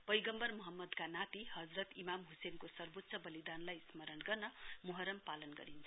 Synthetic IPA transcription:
pʌjɡʌmbʌrmʌɦʌmːʌd̪kanat̪ihʌd͡zrʌt̪imamɦusenkosʌrbot̪ːsʰʌbʌlid̪anlajsmʌɾʌnɡʌrnʌmuɦʌɾʌmpalʌnɡʌ̰ɾint͡sʰ

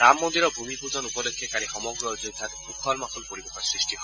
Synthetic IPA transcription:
ɾamːond̪iɾɔbʱumipuzɔnupɔd̪ekʰːekaɾixɔmɔɡɾɔzojt̪ʰakmukʰɔlmakʰɔlpoɾibekʰɔsɹisʈiɦɔ

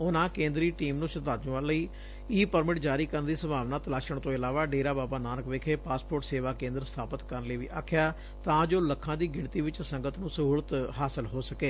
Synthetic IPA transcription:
ʊnãːkẽːnd̪ɾiːʈiːmnũːʃət̪aːd͡ʒʊ̃ʋaːləiː | iːpəɾmɪʈd͡ʒaːɾiːkəɾənd̪iːsəmʱaːʋnaːt̪əlaːʃəɽ̃t̪õːɪlaːʋaːɖeːɾaːbaːbaːnaːnəkʋeːkʰeːpaːspoːɾʈseːʋaːkẽːnd̪əɾəst̪ʰaːpət̪kəɾənləiːʋḭːʔa̰ːkʰɪjaː | t̪ãːd͡ʒoːləkʰːãːd̪iːɡɪɳt̪iːʋɪt͡ʃsəŋɡət̪nũːsəɦuːɽət̪ɦaːsəlɦoːsəkeː

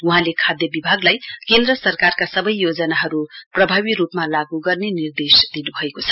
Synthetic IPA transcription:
uɦãlekʰad̪jʌbibʱaɡlajkend̪rʌsʌrkarkasʌbʌjjod͡zʌnaɦʌɾuprʌbʱaβiɾupmalaɡuɡʌrnenird̪esd̪inubʱʌekot͡sʰʌ̥

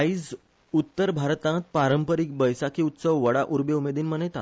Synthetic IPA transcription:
id͡z | ut̪ːəɾbʱaɾt̪ãt̪̚paɾəmpəɾiːk̚bəjsakiːut̪səʋʋəɽaʔuɾbeumed̪iːnmənet̪a̰

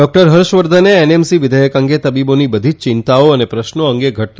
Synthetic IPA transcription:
ɖɔk̚ʈəɾɦəɾʃʋəɾd̪ʱəneenemsiʋɪd̪ʱəjəkə̃ŋɡet̪əbibonibəd̪ʱit͡ʃt͡ʃɪnt̪aoənepɾəʃnoə̃ŋɡeɡʱəʈ̚

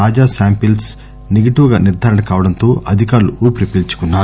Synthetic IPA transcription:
aːd͡ʒaːsaːmpils | neɡɐʈiʋɐɡaːniɾd̪ʱaːɾɐɳɐkaːʋɐɽɐnt̪oːʔɐd̪ʱikaːɾluʔuːpɾipilt͡ʃu̥kunːaː

